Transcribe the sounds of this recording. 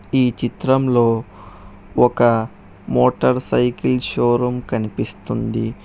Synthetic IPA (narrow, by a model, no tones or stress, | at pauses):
iːt͡ʃit̪ɾɐmlo̞ː | ɔkɐ | moːʈɐɾsɐjkilʃoːɾɐmkɐnipist̪und̪i